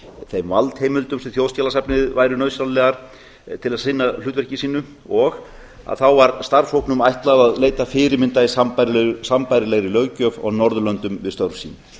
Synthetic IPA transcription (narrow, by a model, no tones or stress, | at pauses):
θejmvalt̪hejmʏlt̪ʏmsɛθjoːwscaːlasapnɪðvaːjɾʏnœɥsaw̪lɛɣaɾ̥ | t̪ʰɪlaðsɪnːalʏːt̪vɛɾ̥r̥cɪsiːnʏ | ɔɣ | a̰ðθawvaɾst̪aɾshowhknʏmajht̪laðaðleːjt̪afɪːɾɪɾmɪnt̪aisampaɾsampajɾɪlɛɣɾilœːɥcœvɔ̰ɣnɔɾðʏlœnt̪ʏmvɪðst̪œwɾsḭːn